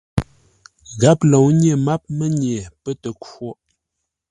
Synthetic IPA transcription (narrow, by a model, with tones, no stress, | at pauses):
ɣa˦p̚lo˨wɲ˦e˦˨ma˦p̚mə˦ɲe˨pə˦tə˨ko˦˨ʔ